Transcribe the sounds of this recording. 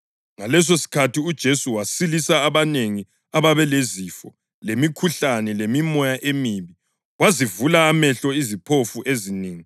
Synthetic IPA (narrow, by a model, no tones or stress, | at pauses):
ŋalɛs̬osi̥kʰatʰiud̥ʒ̥ʱesuwasilisaːβaneŋi | aβaβɛlezifɔ | lemikʰuɬanɛlemimɔjaʔemiβi | wazivulaːmɛɬɔizipʰofuʔezineːŋi